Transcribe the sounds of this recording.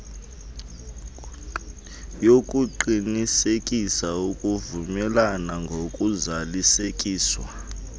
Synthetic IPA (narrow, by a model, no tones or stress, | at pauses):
jokʼuǃinisekʼisaukʼuvumɛlanaŋɡʱokʼuzalisekʼiːswa̰